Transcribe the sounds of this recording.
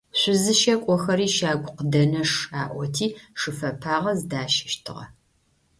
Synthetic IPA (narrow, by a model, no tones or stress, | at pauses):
ɕʷʊzɨʃɐkʷʼɔxɐɾiːʃaːɡʷʊqdɐnɐʂaːʔʷɔtʰiːʂɨfɐpʰaːʁɐzdaːʃɪ̥ʃtʰɨ̰ʁɐ̰